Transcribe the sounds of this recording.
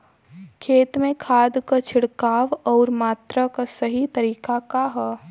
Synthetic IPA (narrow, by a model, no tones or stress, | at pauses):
kʰeːt̪mẽkʰaːd̪kat͡ʃʰɪɽkaːʋɔːɾmaːt̪ɾakasɐɦit̪ɐɾiːkakaɦɛ